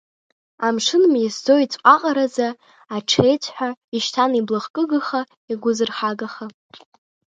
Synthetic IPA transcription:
amʂɨnmisd͡zo̞it͡sʷʼqʼaqʼaɾazaː | ʈ͡ʂʰejt͡sʰħʷᶣaiʃtʰaniblɨχkʼɨɡɨχa | iɡʷʊzɨrχaɡaχa

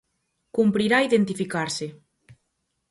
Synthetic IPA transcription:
kumpɾiɾaiðent̪ifikaɾsɪ

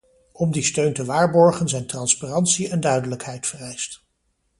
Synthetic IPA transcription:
ɔmdistøɥntəʋaːɹbɔɹχənzɛjntrɑnsparɑntsiɛndœɥdələkɦɛjtfərɛjst

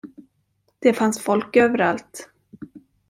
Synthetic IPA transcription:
d̪̥ɛfansfɔlkøːvəɾalt̪

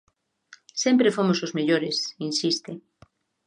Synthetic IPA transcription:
sempɾefomosozmeʎoɾesinsist̪e

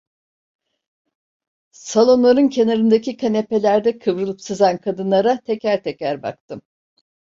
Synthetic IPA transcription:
salˠo̞nlˠaɾɯncʰenaɾɯnd̪acʰikʰanepe̞lʲæɾd̪ɛkʰɯvɾɯlˠɯpsɯzankʰad̪ɯnlˠaɾat̪ʰecæɾt̪ʰecæɾba̰kt̪ʰɯm

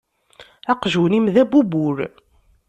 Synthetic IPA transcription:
æqʒunimðæbubuɾ

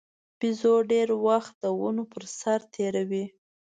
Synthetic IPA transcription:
b̥izoɖeɾwaxt̪̚d̪əwənopəɾsaɾt̪ʰeɾawi

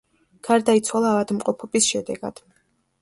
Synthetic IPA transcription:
ɡ̥aɾd̪ait̪sʰwalˠaːvad̪mqʼɔpʰɔbisʃɛd̪ɛ̰ɡa̰d̪̥

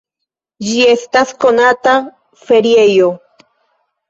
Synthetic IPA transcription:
d͡ʒiest̪askonat̪a | feɾjejo

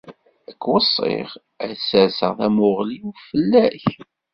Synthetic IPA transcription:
əkːwəsˤːḛʁ | æsəsə̰ʁðæmʊʁliufəlːæç

